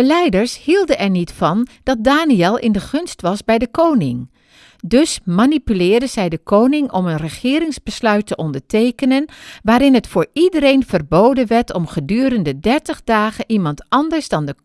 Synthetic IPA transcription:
əlɛjdəɹshilˠdənɛɹnitfɑnd̥ɑt̚daːniɛlˠɪ̰ndəχɵnstʋɑsbɛjdəkownɪŋ | dɵsmanipylɪːɹdənz̥ɛjdəkʰoːwnɪŋʔɔmənrəχɪːɾɪŋzbəslœɥtːəʔɔndəɹtejkənənʋaːɾɪnɦətfoːɹidəɾejnv̥ərbowdənʋɛɹtʰɔmχədyːɾəndədɛɹtəχdaːχənʔimɑntɑndəɹsdɑndə

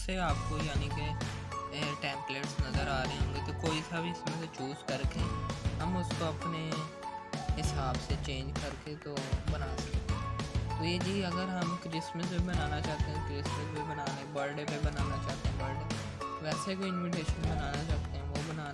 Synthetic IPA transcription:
seaːp̚kojaːnike | ʈɛ̃ːmpleːʈsnɐzəɾaːɾəẽɦõːŋɡet̪okoːisabʱiɪsmẽset͡ʃuːzkəɾkeɦɐmʊskoɐpne | ɦɪsaːbset͡ʃẽːɲd͡ʒkɐɾket̪obənaːsɐkt̪eɛ̃t̪oːjed͡ʒiːɐɡəɾɦɐmkɾɪsməsbʱibɐnaːnat͡ʃaːt̪eɦɛ̃kɾɪsməsbʱibənaːnebəɾɖepebənaːnat͡ʃaːt̪eɦɛ̃ːbəɾɖeː | ʋɛːsekoːɪnʋɪʈeːʃənbənaːnat͡ʃaːt̪eɦɛ̃ːʋobənaː

